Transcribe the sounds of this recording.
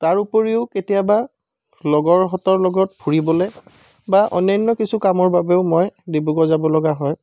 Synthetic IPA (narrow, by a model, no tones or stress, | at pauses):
taɹupoɹiʊketijaba | lɔɡɔɹɦɔtɔɹlɔɡɔtbʰʱuɹibɔlɛ | baʔɔ̰nɔnːɔkisʰukamɔɹbabɛʊmɔjdibuɡɔzabɔlɔɡaɦɔj